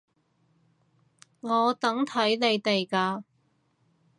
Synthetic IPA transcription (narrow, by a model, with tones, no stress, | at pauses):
ŋɔː˨˧t̪ɐ˨˥ŋt̪ʰɐ˨˥jne˨˧jt̪e˨jkaː˧